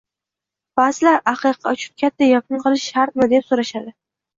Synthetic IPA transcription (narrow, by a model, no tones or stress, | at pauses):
b̥aːzɪlaɾaqʰɨqʰːɑ̰t͡ʃʰʊ̥n̚kʲʰat̪ʰːajɒk̚ʰʲʊnqʰɨlˠɪʃːaɾt̪̚mɪd̪epsoɾaʃad̪ɪ